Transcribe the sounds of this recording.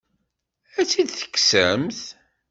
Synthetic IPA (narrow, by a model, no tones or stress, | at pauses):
æt͡sːid̪θə̥kːsəmθ